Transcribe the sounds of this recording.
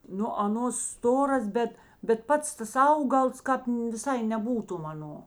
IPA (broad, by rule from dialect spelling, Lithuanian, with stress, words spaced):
ˈnʊ ɐˈnoːs ˈstoːrɐs ˈbʲɛt bʲɛt ˈpɐts ˈtɐs ˈɐʊɡɐlˠs ˈkɑːp ʋʲɪˈsɐɪ nʲɛˈbuːtʊm ɐˈnoː